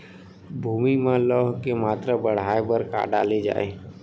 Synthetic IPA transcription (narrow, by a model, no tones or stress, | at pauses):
bʱumimẽləɦkemat̪ɾəbəɽ̤aebəɾka̰ɖa̰led͡ʒa̰ːe